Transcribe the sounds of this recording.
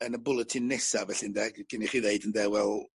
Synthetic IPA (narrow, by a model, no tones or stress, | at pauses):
ənəbʊlˠətʰɪnːɛsavɛɬɪndɛɡɡ̥ɪniχiðeɨdəndɛwɛlˠ